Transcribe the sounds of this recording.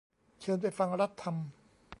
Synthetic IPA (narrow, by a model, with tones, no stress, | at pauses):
t͡ɕʰɤː˧npa˧˩jfa˧ŋɾa˦˥t̪ʰːa˧m